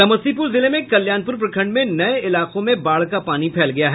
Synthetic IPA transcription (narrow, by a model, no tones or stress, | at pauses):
tɐmɐsipʊɾzɪlemẽkɐljaːnpʊɾp̬ɾɐkʰə̃ɳɖmẽnɐeɪlaːqõmẽbaːɭkapaːnipʰɛːlɡɐjaɦɛ